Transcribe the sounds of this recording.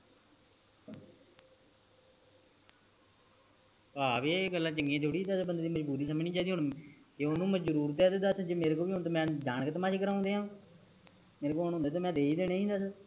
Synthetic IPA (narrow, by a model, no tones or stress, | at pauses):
paːbeːɡəlːãːt͡ʃəŋɡẽːt̪ʰoːɽiːd̪asbənd̪eːd̪iːməd͡ʒbuːɾiːsəməniːd͡ʒaːd̪iːɦoɳt̪eːonũːməd͡ʒd͡ʒɾuːɾt̪ɛːd̪ed̪aːsd͡ʒeːmeːɾeːkoːbiːɦont̪̬oːmɛ̃ːd͡ʒaːnəkət̪mãːt͡ʃʰkəɾãːʊ̃ːnd̪eːɦãː | meːɾeːkoːɦonɦʊ̃ːnd̪eːt̪oːmɛ̃ːd̪eːiːd̪eːɽẽːĩːd̪aːs